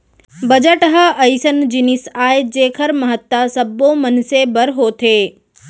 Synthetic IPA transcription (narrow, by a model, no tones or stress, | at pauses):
bəd͡ʒəʈəɦəəjsənd͡ʒɪnɪsaːed͡ʒeːkʰəɾmɐɦət̪ːasɐbːõmənsebəɾɦoːt̪ʰeː